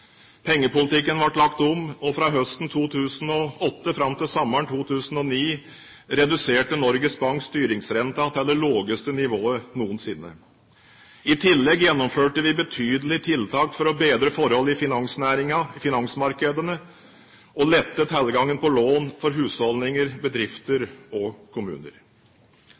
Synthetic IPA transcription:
pʰɛŋːəpʊlɪt̪ɪkːənʋɑʈlɑkt̪ɔmɔfɾɑːɦœst̪n̩t̪ʰuːt̪ʰʉːsən̩ɔɔt̪ːəfɾɑmt̪ɪlsɔmːəɳt̪ʰuːt̪ʰʉːsn̩ɔniː | ɾɛd̪ʉseːʈənɔɾɡəsbɑŋkst̪yːɾɪŋsɾɛnt̪ɑt̪ʰɛlːəɭoːɡəst̪ənɪʋoːənuːənsɪnːə̰ | ɪt̪ʰɪlːɛɡjɛnːɔmføːʈəʋɪbət̪ʰyːd̪əlɪt̪ʰɪlt̪ʰɑːkfɔɾɔbeːd̪ɾəfɔɾhɔlɪfɪnɑŋsnæːɾɪŋɑfɪnɑŋsmɑɾkəd̪ənə | ɔlɛt̪ːət̪hæləɡɑŋːənpɔloːnfɔɾɦʉːshɔlnɪŋəɾbəd̪ɾɪft̪əɾɔkʰʊmʉ̰ːnə̰ɾ

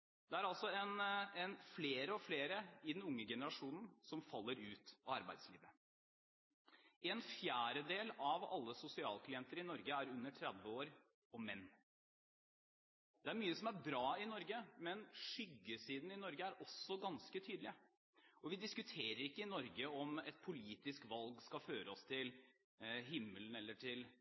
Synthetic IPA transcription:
d̪̥ɛæɾɑlsɔɛnɛnfleːɾəɔfleːɾəɪd̪ɛnʊŋːəɡɛnəɾɑʂuːnn̩sɔmfɑlːəɾʉːt̪ɑɑɾbæ̰ɪd̪sliːʋə | ʔɛnfjæːɾəd̪eːlɑʋɑ̰lːəsʊsɪɑːlkʰlɪɛnt̪əɾɪnɔɾɡəæɾʉnːəʈʰɾɛd̪ʋəoːɾ | ɔmɛnː | d̪ɛæɾmyːəsɔmæɾbɾɑːɪnɔɾɡəmɛnʂʏɡːəsiːd̪n̩ɪnɔɾɡəæɾʔɔsːɔɡɑnskət̪ʰyːd̪l̩ɪə | ɔʋɪd̪ɪskʉt̪ʰeːɾəɾɪkːəɪnɔɾɡəɔmɛt̪̚pʰʊliːt̪ɪskʋɑlɡskɑføːɾəɔst̪ʰɪl | ɦɪmːələn̩ɛlːəʈʰɪl

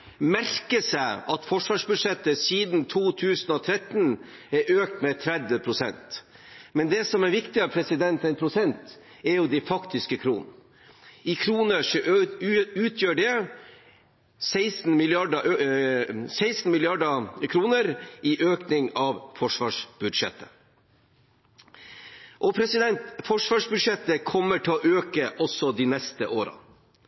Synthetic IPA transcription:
mæɾkəsæɪʔɑt̪fɔʂʋɑːʂbʉd̪ʂɛt̪ːəsiːd̪n̩t̪ʰuːt̪ʰʉːsnɔt̪ʰɾɛt̪n | ɛɾʔøːk̚t̪mɛt̪ʰɾɛd̪ʋəpʰɾʊsɛ̰nt̪ | mɛnd̪ɛsɔmæɾʋɪkt̪ɪɑpʰɾɛsɪd̪ɛnt̪ɛnpʰɾʊsɛnt̪ | ɛɾjʊd̪ɪfɑkt̪ɪskəkʰɾuːnn̩ | ɪkʰɾuːnəʂɔ | ʉːt̪ʰjøːɖɛ | sæɪsn̩mɪlɪɑɖ | sæɪst̪n̩mɪlɪɑɖɑkʰɾuːnəɾiːʔøːknɪŋɑʋfɔʂʋɑːʂb̥ʉd̪ʂɛ̰t̪ʰːə | ʔɔpʰɾɛsɪd̪ɛnt̪fɔʂʋɑːʂbʉd̪ʂɛt̪ːəkʰɔmːəʈʰɪɔʔøːkəʔɔsɔd̪iːnɛst̪əʔoːɾɑ̰

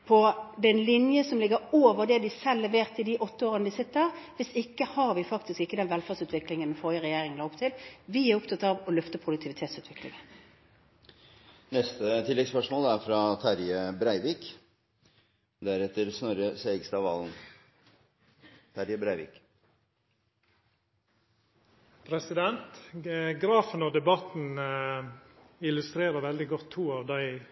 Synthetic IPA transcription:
pʰɔd̪ɛnlɪnjəsɔmlɪɡəɾoːʋəʁd̪ɛd̪ɪsɛlːɛʋeːʁt̪ɪd̪ɪʔɔt̪ːəoːʁənəd̪ɪsɪt̪ːəʁʋɪsɪkːəhɑʁʋɪfɑkt̪ɪskɪkːəd̪ɛnʋɛlfæːʁsʉːt̪ʰʋɪklɪŋənʋɪfɔːʁjəʁɛjeːʁɪŋənlɑːʊpt̪ʰɪlʋɪæʁʊpt̪ʰɑt̪ːɑʋɔlœft̪əpʰʁʊd̪ʉk̚t̪ʰɪʋɪt̪ʰeːt̪sʉːt̪ʰʋɪklɪ̰ŋən | nɛst̪ət̪ʰɪlːɛɡspœʂmoːlæɾfɾɑt̪ʰæɾjəbɾæɪʋiːk | d̪æɾɛt̪ːəɾsnɔɾəsæɪɡst̪ɑʋɑ̰ːln | t̪ʰæɾjəbɾæɪʋḭːk | pʰɾɛsɪd̪ɛnt̪ɡɾɑːfənɔd̪ɛbɑt̪n̩ | ɪlʉst̪ɾeːɾəʋɛld̪ɪɡɔt̪ʰːuːɑʋd̪æɪ

